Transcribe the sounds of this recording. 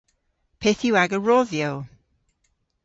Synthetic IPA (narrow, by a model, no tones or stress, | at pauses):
pʰeθjuwaɡəɹɔðjow